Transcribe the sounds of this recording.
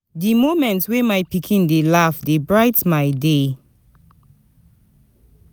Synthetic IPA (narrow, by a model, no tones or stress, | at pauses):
dimomɛ̃ntwemajpikʰĩndelafdebɹaɪtmajde